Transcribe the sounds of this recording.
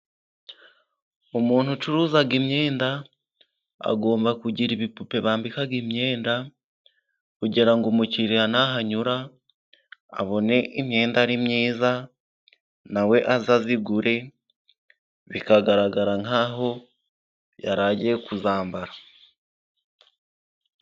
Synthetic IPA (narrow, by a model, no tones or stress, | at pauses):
omuːn̥hut͡ʃuɾuːzaɡimɲeːnda | a̰ɡo̞ːmbakuɟiɾiβipupe̞βaːmbikaɡimɲe̞ːnda | kuɟiɾaŋɡomuciɾianaɦaɲuɾa | a̰βo̞ne̞ʔimɲe̞ːndaɾimɲiːza | nawe̞ʔazaziɡuɾe̞ | βikaɡaɾaɡaɾaŋaːɦo̞ | jaɾaːɟiekuzaːmbaɾa